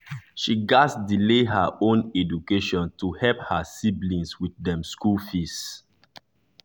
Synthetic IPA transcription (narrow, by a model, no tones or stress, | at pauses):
ʃiɡasdileɦaʔõnɛd͡ʒukeʃɔ̃ntuhɛlphasiblĩnswiθdɛ̃mskulfis